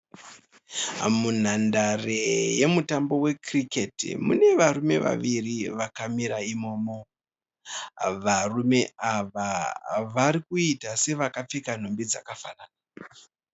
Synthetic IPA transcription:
mun̤andareje̞mutambo̞we̞kriketḭmṵne̞ʋaɾume̞̰ʋa̰ʋiriʋakamiɾaimo̞ːmo̞ | ʋarume̞aʋaʋaɾikuitase̞ʋakap͡fikan̤umbid͡zakafanaːna

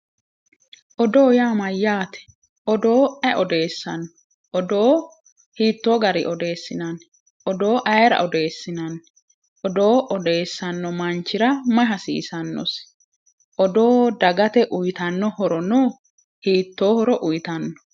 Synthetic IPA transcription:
ʔɔd̪oːjaːmɐjːaːt̪ɛ̥ | ʔɔd̪o̞ːɛʔɔd̪e̞ːsːɐnː | ʔɔd̪oː | hiːt̪ːoːɡɐɾɪ̰ʔɔd̪e̞ːsːɪnɐn | ʔɔd̪o̞ːʔɐjɾɐ̰ʔɔd̪e̞ːsːɪnɐn | ʔɔd̪o̞ːʔɔd̪e̞ːsːɐnːɔmɐnt͡ʃːɪɾɐmɐɦɐsḭːsɐnːɔ̰s | ʔɔd̪oːd̪ɐɡɐt̪ɛʔʊjt̪ɐnːɔhɔɾɔnoː | hiːt̪ːo̞ːhɔɾɔʔʊjt̪ɐnːɔ̥

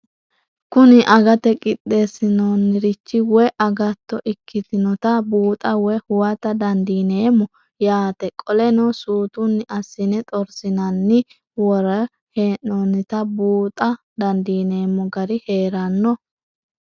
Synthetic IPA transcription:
kʊnɪʔɐɡɐt̪ɛkʼɪɗ̪ːesɪnɔnːɪɾɪt͡ʃːɪwɛʔɐɡɐt̪ːɔʔɪkʰːɪt̪ɪnɔt̪ɐbuːt̪ʼɐwɛhʊwɐt̪ɐd̪ɐnd̪iːneːmːɔ | jaːt̪ɛkʼɔlɛnɔsuːt̪ʊnːɪʔɐsːɪnɛt̪ʼɔɾsɪnɐnːɪ | wɔɾɐ | heːnːonːɪt̪ɐbuːt̪ʼɐ | d̪ɐnd̪iːne̞ːmːɔɡɐɾɪhe̞ːɾɐnːɔ

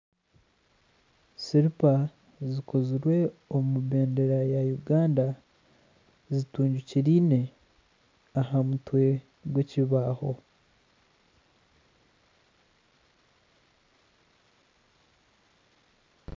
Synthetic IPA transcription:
siɾipa | ziko̞ziɾwe̞omuβe̞ːnde̞ɾajajuɡaːnda | zituːɲɟuciɾiːne̞ | aɦamutwe̞ | ɡweciβaːho̞

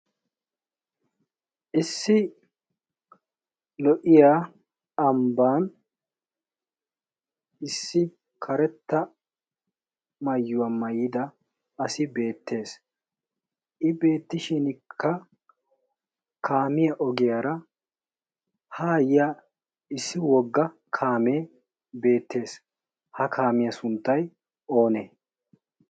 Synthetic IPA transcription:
ʔɪsːɪ | lɔʔɪjaː | ɐmbaːn | ɪsːɪ | kʰɐɾɛt̪ːɐ | mɐjːʊwɐmɐjːɪd̪ɐː | sɪbe̞ːt̪ːe̞ːs | ʔɪbe̞ːt̪ːɪʃɪnkʰːɐ | kʰaːmɪjɐʔɔɡɪjaɾɐ | haːjɪja | ɪsːɪwɔɡːɐ | kʰaːmeː | be̞ːt̪ːe̞ːs | hɐkʰaːmɪjɐsʊnt̪ːɐj | o̞ːneː

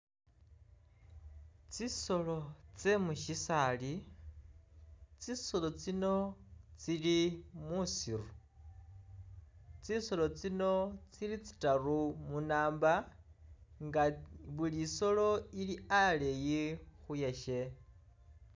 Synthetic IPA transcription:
t͡siso̞lo̞t͡semuʃisali | t͡siso̞lo̞t͡sino̞t͡silimusiru | t͡siso̞lo̞t͡sino̞t͡silit͡si̥tarumunaːmba | ŋɡaβuliso̞lo̞iliale̞jixujaʃe̞

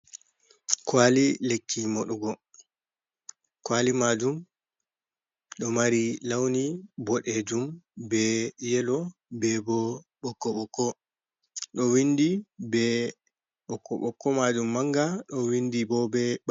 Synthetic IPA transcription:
kwalilekːimɔɗuɡɔ | kwalimad͡ʒum | ɗɔmaɾilawnibɔɗed͡ʒumbɛjɛlɔbɛbɔ | ɓɔkːɔɓɔkːɔ | ɗɔwinːdibɛ | ɓɔkːɔɓɔkːɔmad͡ʒumːaŋɡaɗɔwindibɔbɛɓ

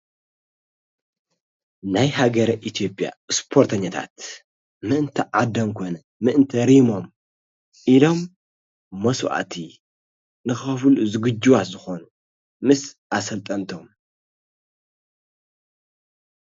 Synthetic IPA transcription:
najhaɡɐɾɐʔit̪ʰijo̞pʼja̰spʰoɾt̪ʰɐɲːɐt̪ʰa̰t̪ | mɨʔɨnt̪ʰɐʕad̪ɐmkʰo̞nɐ | mɨʔɨnt̪ʰɐɾimo̞m | ʔilo̞mː | ɐswʔa̰t̪ʰi | nɨxɐfɨluzɨɡɨd͡ʒuwatzɨxonu | mɨsʔasɐlt̪ʼɐmt̪ʰom

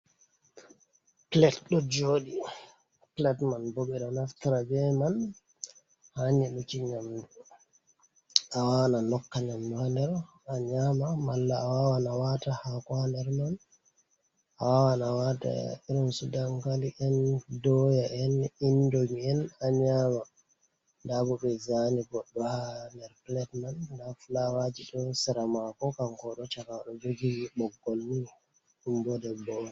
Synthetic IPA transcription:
plɛtɗɔd͡ʒoːɗi | plɛtmanboɓɛɗɔnastaɾad͡ʒɛman | haɲɛɗɔt͡ʃiɲamdu | awawananɔkːaɲamduandɛɾ | aɲamamalːaːwawanawatahakwandɛɾman | ʔawawanawata̰iɾɔnsudaŋkaliʔɛndɔjaʔɛnindomiɛnaɲama | ndaɡɔɓɛzaniɡɔɗːɔhandɛɾplɛtmanːdafulawad͡ʒiɗɔsɛɾamakɔkaŋkɔɗɔt͡ʃakaɗɔd͡ʒoɡiwiɓɔɡːolːi | ɗumbɔdɛbɔnɛ

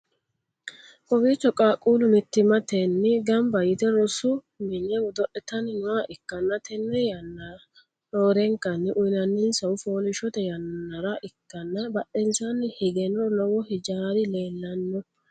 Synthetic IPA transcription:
ʔɔbiːt͡ʃːɔkʼaːkʼuːlʊmɪt̪ːɪmɐt̪ɛnːɪɡɐmbɐjɪt̪ɛɾɔsʊ | mɪnːɛwɔd̪ɔʔɛt̪ːɐnɪnʊwaʔɪkːɐnːɐt̪ɛnːɛjɐnːɐ | noːɾɛŋkːɐnːɪʔʊjnɐnːɪnsɐʊfoːnɪʃɔt̪ɛjɐnːɐɾɐʔɪkːɐnːɐbɐʔɛnsɐnːɪhɪɡɛnɔnɔwɔhɪd͡ʒaːd̪ɪle̞ːlːɐnːɔ

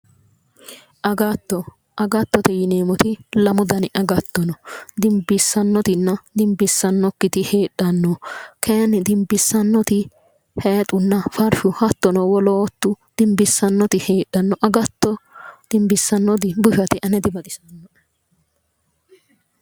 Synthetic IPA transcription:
ʔɐɡɐt̪ːɔ | ʔɐɡɐt̪ːɔt̪ɛjɪneːmɔt̪ɪlɐmʊd̪ɐnɪʔɐɡɐt̪ːɔnɔd̪ɪmbɪsːɐnːɔt̪ɪnːɐd̪ɪmbɪsːɐnːɔkːɪt̪ɪheːɗːɐnːɔkʰeːnɪd̪ɪmbɪsːɐnːɔt̪ɪ | heːt̪ʼʊnːɐfɐɾfʊhɐt̪ːɔnɔwɔloːt̪ːʊd̪̥ɪmbɪsːɐnːɔt̪ɪheːɗːɐnːɔʔɐɡɐt̪ːɔd̪̥ɪmbɪsːɐnːɔd̪ɪbʊʃɐt̪ɪʔɐnɛd̪ɪbɐt̪ʼɪsɐnːɔ

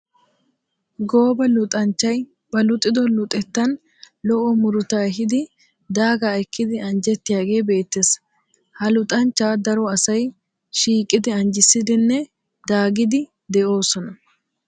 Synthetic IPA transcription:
ɡo̞ːbɐlʊt̪ʼɐnt͡ʃːɐj | bɐlʊt̪ʼːɪd̪ɔlʊt̪ʼɛt̪ːɐn | lɔʔɔmʊɾʊt̪aːɦɪd̪ɪ | d̪aːɡaːɛkːɪd̪ɪɐnd͡ʒɛt̪ːɪjaːɡe̞ːbe̞ːt̪ːes | hɐlʊt̪ʼɐnt͡ʃːaːd̪ɐɾɔɐsɐj | ʃiːkʼːɪd̪ɪɐnd͡ʒɪsːɪd̪ɪnːɛ | d̪aːɡɪd̪ɪ | d̪ɛʔo̞ːsɔnɐ

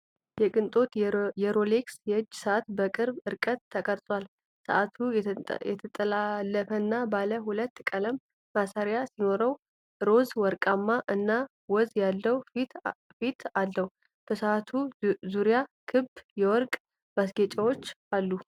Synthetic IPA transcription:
jɛkʼɨnt̪ʼo̞t̪jɛɾo̞leksjɛɨd͡ʒːsəat̪bəkʼɨɾbɨɾkʼət̪ʰːəkʼəɾt̪ʼwal | sə̰ʔat̪ʰujɛt̪ʰət̪ʼəlalːəfənːabaləɦulət̪ːkʼələmː | asaɾjasino̞ɾəw | ɾo̞zwɔɾkʼamːaʔɨnːa | wɔzjalːəwi | fit̪ʰalːəwu | b̥əsəat̪ʰuzuɾjakʰɨbjɛwɔɾkʼ | masɡɛt͡ʃʼawo̞t͡ʃːalːu

